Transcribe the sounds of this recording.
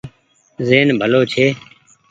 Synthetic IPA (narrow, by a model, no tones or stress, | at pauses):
zeːnbʱəloːt͡ʃʰeː